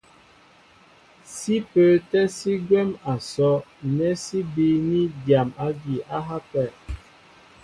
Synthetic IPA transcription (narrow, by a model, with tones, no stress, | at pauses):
si˦pə˨tɛ˦si˦ɡwɛ˦ma˨sɔ˨˦nɛ˦si˦bi˦ni˦dja˨ma˦ɡi˨ʔa˦ɦa˦pɛ˦˨